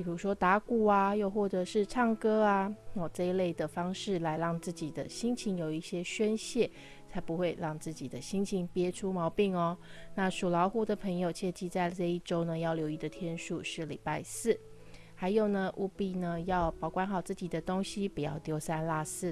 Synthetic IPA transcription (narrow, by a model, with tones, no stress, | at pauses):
i˨˩ɻu˧˥ʂwɔ˥t̪a˧˥ku˨˩a˨jo˥˧ʊxwɔ˥˩ʈ͡ʂɤ˨˩ʂɻ̩˥˧ʈ͡ʂʰɑ˥˩ŋkɤ˥a˧ɔ˨˩ʈ͡ʂɤ˥˧i˧˥le˥˩ɪd̪ə˩fɑ˥ŋʂɻ̩˥˩la˧˥ɪɻɑ˥˧ŋt͡sɹ̩˥˩t͡ɕi˨˩d̪ə̰˩ɕi˥ŋt͡ɕʰi˧˥ŋjo˨˩ʊi˥˩ɕjɛ˥ɕɥɛ˥nɕjɛ˥˩˨ | t͡sʰa˧˥ɪpu˧˦xwe˥˧ɪɻɑ˥˧ŋt͡sɹ̩˥˩t͡ɕi˨˩d̪ə˦ɕi˥ŋt͡ɕʰi˧˥ŋpjɛ˥ʈ͡ʂʰu˥mɑ˧˥ʊpi˥˩ŋɔ˧na˥˧ʂu˨˩lɑ˧˥ʊxu˥˩d̪ə˨pʰə˧˥ŋjo˨ʊt͡ɕʰi˧˥ʂ̩˧t͡ɕi˥˧t͡sa˥˧ɪʈ͡ʂə˥˧i˥˩ʈ͡ʂo˥ʊnə˨jɑ˥˩ʊljo˧˥ʊi˥˩d̪ə˨˩t̪ʰjɛ˥nʂu˥˧ʂɻ̩˥˩lḭ˨˩pa˥˧ɪsɹ̩˥˩ | ha˧˥ɪjo˨˩ʊnə˨ʔu˥˧pi˥˩nə˨jɑ˥˩ʊpɑ˨˩ʊkwa˥nxɑ˨˩ʊt͡sɹ̩˥˩t͡ɕi˨˩d̪ə˦t̪o˥ŋɕi˦pu˨˩jɑ̰˥˩ʊt̪jo˧˥ʊsa˥˧nla˥˧sɹ̩˥˩